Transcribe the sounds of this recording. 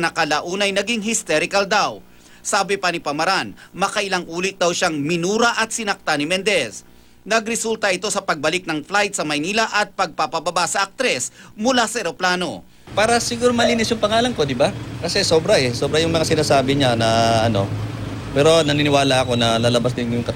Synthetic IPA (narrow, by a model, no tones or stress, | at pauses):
nɐkɐlɐʔuːnɐjnɐɡiŋɦɪst̪ɛɾɪkɐld̪aw | saːbɪpɐnɪpɐmɐɾanmɐkɐʔɪlaŋʔuːlɪt̪̚d̪ɐwʃaŋmɪnuːɾɐʔɐt̪̚sɪnɐk̚t̪anɪmɛnd̪ɛs | nɐɡɾɛsult̪ɐʔɪt̪o̞sɐpɐɡ̚bɐlɪk̚nɐŋflajt̪̚sɐmɐjniːlɐʔɐt̪̚pɐɡ̚pɐpɐbɐbasɐʔɐk̚t̪ɾɛsmʊlasɐʔɛɾo̞plaːno̞̰ | paːɾɐsɪɡuːɾomɐliːnɪsjʊŋpɐŋaːlɐŋko̞d̪ɪbakɐsɛso̞ːbɾɐʔɛsoːbɾɐjʊŋmɐŋasɪnaːsaːbɪɲanɐʔɐno̞̰ | pɛːɾo̞nɐninɪwaːlɐɐko̞nɐlalɐbasd̪ɪnjʊŋkɐ